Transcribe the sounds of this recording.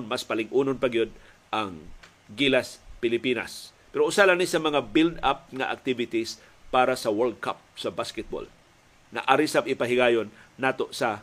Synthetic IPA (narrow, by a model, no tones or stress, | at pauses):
nmaspɐlɪɡʔuːnonpɐɡijod̪̚ | ʔaŋ | ɡilaspɪlɪpiːna̰spɛɾoʔʊsalanisɐmɐŋabild̪ap̚ŋaʔa̰k̚t̪ivɪt̪is | paːɾasɐwɛɹd̪̚ka̰p̚sɐbaskɛt̪̚bo̰l | ŋa̰ʔaɾisapʔɪpaɦɪɡaːjonːaːt̪o̞sɐ